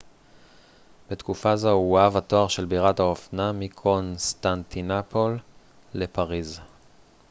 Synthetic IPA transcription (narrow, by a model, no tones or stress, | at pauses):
b̥et̪kufazouavat̪o̞aʁʃe̞lbiʁathaofnamikʰonst̪ant̪ʰinapʰo̞lː | e̞paʁiz